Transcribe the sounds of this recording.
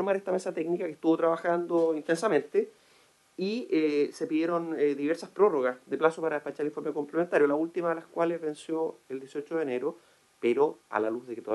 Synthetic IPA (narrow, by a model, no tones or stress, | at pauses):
ɾmaɾeht̪amesat̪eknikaket̪uβot̪ɾaβaxand̪oint̪ensamẽ̞nt̪e | iesepiðjeɾo̞neðiβeɾsaspɾo̞roɣasðeplasopaɾaepat͡ʃaɾifo̞ɾmeko̞mplement̪aɾjolault̪imaðe̞laskwalezβe̞nsjoeld̪jesiot͡ʃoðene̞ɾo | peɾoa̰laluzðeket̪o